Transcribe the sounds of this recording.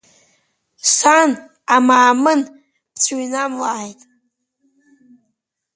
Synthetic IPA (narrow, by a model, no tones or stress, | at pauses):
san | amaːmɨn | bt͡sʰuinamlaːjtʼ